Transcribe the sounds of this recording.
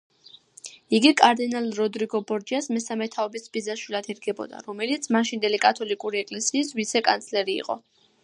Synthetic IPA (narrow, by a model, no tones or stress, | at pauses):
iɡikʼaɾd̪inalɾɔd̪ɾiɡɔbɔɾd͡ʒiasmɛsamɛt̪ʰaɔbisbizaʃwilˠad̪ɛɾɡɛbɔ̰d̪a̰ɾɔmɛlit̪sʰmaʃind̪ɛlikʼat̪ʰɔlikʼuɾiɛkʼlɛsiːsvit̪sʰɛkʼa̰nt̪sʰlɛɾḭːqʼɔ̰